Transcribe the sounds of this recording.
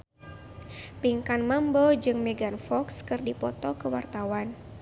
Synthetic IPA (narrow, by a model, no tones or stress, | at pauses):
piŋkanmambɔd͡ʒɨŋmɛɡanfɔkskɨrdipɔt̪ɔkəwa̰rt̪awan